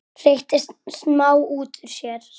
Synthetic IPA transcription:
r̥eht̪ɪst̪snmaːwuːt̪ʏɾ̥sjɛɾ̥

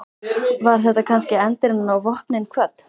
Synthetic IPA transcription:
vaɾ̥θɛht̪akʰanscɪɛnt̪ɪɾnnawvɔhpnɪnkʰvœt̪

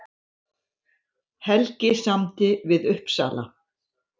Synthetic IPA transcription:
hɛlcɪsamt̪ɪvɪðʏhpsa̰ːla̰

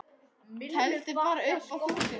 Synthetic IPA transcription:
hɛlt̪ɪpaːɾʏhpawut̪ɪ

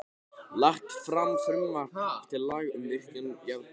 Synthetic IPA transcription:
laxt̪fɾamfɾʏmvart̪ʰɪllaːɣʏmvɪr̥kɪnjav

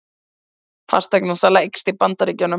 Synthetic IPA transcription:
fa̰st̪ɛknasalaekst̪ɪpant̪aɾicœnʏ

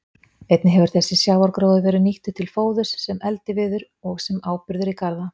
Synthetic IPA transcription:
ejt̪nɪɦɛvʏɾ̥θɛsːɪsjaːwɔɾkɾoːwðʏvɛːɾɪʏniht̪ʏt̪ʰɪlfoːwðʏsːɛmɛlt̪ɪvɪðʏɾ | ɔɣsɛmaːwpʏɾðʏɾikaɾða

